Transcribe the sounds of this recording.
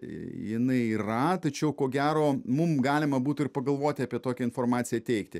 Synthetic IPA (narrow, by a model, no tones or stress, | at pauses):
jɪnɐɪiːrɐt̪ɐt͡ʃʲɛʊkoːɡʲæːɾoːmʊmɡɑːlʲɪmɐbuːt̪ʊɪɾpɐɡɐlˠʋoːt̪ʲɪɑpʲiɛt̪oːkʲɛɪnfoːrmɑːt̪sʲɪjɛt̪ʲɛɪkt̪ʲɪ